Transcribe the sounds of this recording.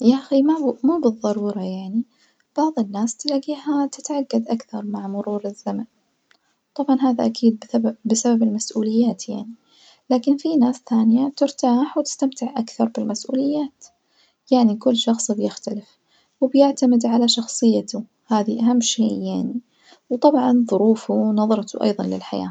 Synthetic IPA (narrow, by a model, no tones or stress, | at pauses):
jaʔximamuːbɨðˤːɑɾuːɾˤɑjaʕni | b̥ɑʕðˤɨnːaːst̪ɪlaːɡiːhat̪ɪt̪ʕaɡːad̪ʔakθɑɾˤmaʕmʊɾuːɾɪzːaman | t̪ˤɑbʕɑnɦaːðaʔakʰiːd̪̚bbɪsababɪlmasʔuːlɪjːaːt̪jaʕni | laːkɪnfinaːsθaːnɪjat̪ɪɾt̪aːħwt̪ɪ̥st̪amt̪ɪʕʔakθɑɾˤbɪlmasʔṵːlɪjːaːt̪ | jaʕnikʊlːʃɑxsˤbjɪxt̪alɪf | wɪbjɪʕt̪amɪd̪ʕalaʃɑxsˤɨjːat̪ʊ | haːðiʔaɦamːʃeːjaʕni | wt̪ˤɑbʕɑnðˤʊɾuːfunɑðˤɑɾˤt̪uʔɑ̰jðˤɑnlɪlħaja̰ː